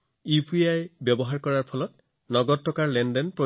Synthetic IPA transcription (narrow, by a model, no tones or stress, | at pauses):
upʰiajbjɔbɔɦaɹkɔɹaɹpʰɔlɔt̚ | nɔɡɔtʰːɔkaɹlɛndɛnpɹɔ